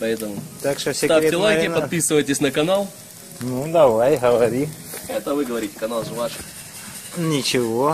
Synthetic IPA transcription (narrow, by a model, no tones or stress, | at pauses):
pɐɛt̪əmʊt̪akʂt̪osʲɪt̪aɾɪllˠajkʲɪpɐt̪̚pʲisɨvəjtʲɪsʲnəkɐnalˠ | nud̪ɐvajɦəvɐɐɾʲi | ɛt̪əvɨɡəʋɐɾʲitʲɪ̥kɐnalˠʐɨvaʂɨ | nʲɪt͡ɕɪvo